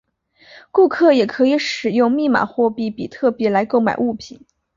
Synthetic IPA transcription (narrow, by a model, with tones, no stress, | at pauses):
ku˥˧kʰɤ˥˩jɛ˨˩kʰɤ˧˥i˧˥ʂɻ̩˨˩jʊ˥˧ŋmi˥˩ma̰˨˩xwɔ˥˧pi˥˩pi˨˩t̪ʰɤ˥˩pjɛ˧˥la˧˥ɪko˥˩ʊma˨˩ɪʔu˥˩pʰi˨˩˦n